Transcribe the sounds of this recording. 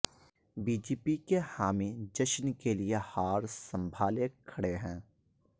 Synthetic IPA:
biːd͡ʒeːpikehaːmid͡ʒəʃnkeliehaːɾsɐ̃mbʱaːlekʰɐɽeɦɛ̃ː

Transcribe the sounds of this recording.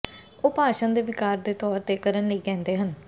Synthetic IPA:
oːpaːʃənd̪eːʋɪkaːɾd̪eːt̪ɔːɾt̪eːkəɾənləiːɡɛ̃ːnd̪eːɦən

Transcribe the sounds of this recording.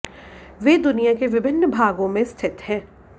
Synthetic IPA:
ʋeːd̪ʊnijakeʋɪbʱɪnːəbʱaːɡõmẽst̪ʰɪt̪ɦɛ̃ː

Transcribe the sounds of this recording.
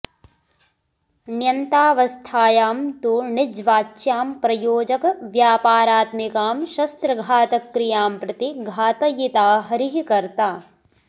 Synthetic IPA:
njɐnt̪aːʋɐst̪ʰaːjaːmt̪uːɳɪd͡ʒʋaːt͡ʃːjaːmpɾɐjoːd͡ʒɐkʋjaːpaːɾaːt̪mikaːmʃɐst̪ɾɐɡʱaːt̪ɐkːɾijaːmpɾɐt̪iɡʱaːt̪ɐjit̪aːɦɐɾiɦikɐɾt̪aː

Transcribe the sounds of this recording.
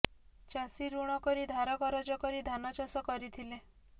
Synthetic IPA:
t͡ʃasiɾuɽ̃ɔkɔɾid̪ʱaɾɔkɔɾɔd͡ʒɔkɔɾid̪ʱanɔt͡ʃɔsɔkɔɾit̪ʰile

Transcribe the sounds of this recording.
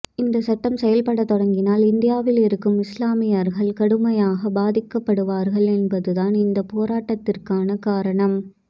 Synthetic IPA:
ɪnd̪ɐsɐʈːɐmsɛjɐlpɐɽɐt̪ːɔɽɐŋɡɪnaːlɪnd̪ɪjaːʋɪlɪɾɯkːɯmɪslaːmɪjaɾɣɐɭkɐɽɯmɐjaːɣɐbaːðɪkːɐpːɐɽɯʋaːɾɣɐɭɛnbɐðɯðaːnɪnd̪ɐpoːɾaːʈːɐt̪ːɪrkaːnɐkaːɾɐɳɐm

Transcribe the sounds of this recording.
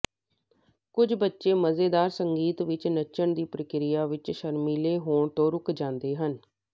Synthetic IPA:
kʊd͡ʒbətːʃeːməzeːd̪aːɾsəŋɡiːt̪ʋɪt͡ʃnəʃəɳd̪iːpɾəkɾɪjaːʋɪt͡ʃʃəɾmiːleːɦoːɳt̪õːɾʊkd͡ʒãːnd̪eːɦən

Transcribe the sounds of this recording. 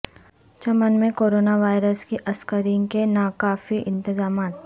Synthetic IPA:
t͡ʃɐmənmẽkoːɾoːnaʋaːɪɾəskiʔɐskəɾɪ̃ŋkenakaːfiʔɪ̃nt̪ɪzaːmaːt̪

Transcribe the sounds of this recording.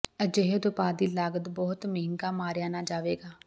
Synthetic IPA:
əd͡ʒeɦed̪ʊpaːd̪iːlaːɡəd̪bɔːt̪mɪːɪŋkaːmaːɾjaːnaːd͡ʒaːʋeːɡaː

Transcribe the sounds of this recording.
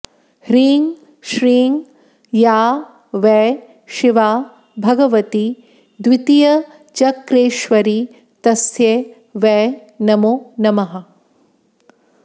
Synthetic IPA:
hɾiːŋ | ʃɾiːŋɡ | jaː | ʋɛː | ʃiʋaː | bʱɐɡɐʋɐt̪i | d̪ʋit̪ijɐ | t͡ʃɐkɾeːʃʋɐɾi | t̪ɐsje | ʋɛː | nɐmonɐmɐɦɐ̆

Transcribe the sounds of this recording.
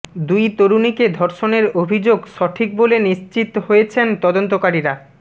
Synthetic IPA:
d̪ujt̪oɾuniked̪ʱɔɾʃoneɾobʱid͡ʑoɡʃɔʈʰik̚boleniʃt͡ɕit̪ɦojet͡ɕʰent̪ɔd̪ont̪okaɾiɾa

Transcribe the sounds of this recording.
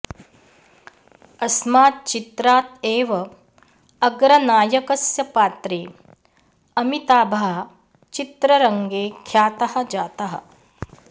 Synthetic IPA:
ɐsmaːt̪̚t͡ʃit̪ɾaːt̪eːʋɐ | ɐɡɾɐnaːjɐkɐsjɐpaːt̪ɾeː | ɐmit̪aːbʱɐɦɐ | t͡ʃit̪ɾɐɾɐŋɡeːkʰjaːt̪ɐhɐ̆d͡ʒaːt̪ɐɦɐ̰̆

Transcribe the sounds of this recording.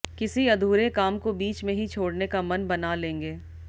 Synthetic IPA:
kɪsiɐd̪ʱuːɾekaːmkobiːt͡ʃmẽɦit͡ʃʰoːɽnekamɐnbɐnalẽːŋɡeː

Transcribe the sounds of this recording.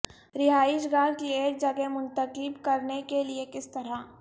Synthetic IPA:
ɾɪɦaːɪʃɡaːɾkieːɾ̚d͡ʒɐɡemʊ̃nt̪əkɪbkɐɾnekeliekɪst̪ɐɾa

